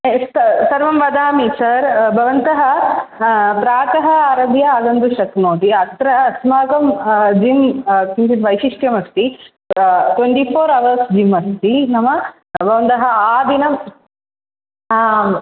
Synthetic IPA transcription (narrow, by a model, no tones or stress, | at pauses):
st̪sɐɾʋɐmʋɐd̪aːmisɐɾbʱɐʋɐnt̪ɐɦɐ | pɾaːkɐɦɐaːɾɐbʱjɐaːd̪ɐnd̪uʃɐknoːt̪iɐt̪ɾɐsmaːkɐmd͡ʒimkint͡ʃ̪it̪ʋɐjʃiʂʈjɐmɐst̪i | t̪weɳʈiːpʰoːɾɐʋɐɾsd͡ʒimɐst̪inɐmɐ | bʱɐʋɐnt̪ɐɦɐaːd̪inɐm